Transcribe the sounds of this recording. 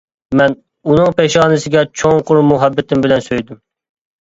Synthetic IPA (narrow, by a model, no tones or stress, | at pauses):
mɛn | unɨŋpeʃɑːnɨsɪɡʲɛt͡ʃʰoŋqʰʊɾmuɦɛbːɪt̪ʰɪmbɪlɛnsøjd̪ym